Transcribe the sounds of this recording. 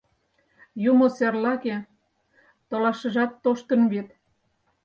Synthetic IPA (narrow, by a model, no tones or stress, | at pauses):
jumoserlɑke | t̪olɑʃə̆ʒɑt̪ːoʃt̪ə̆nβet̪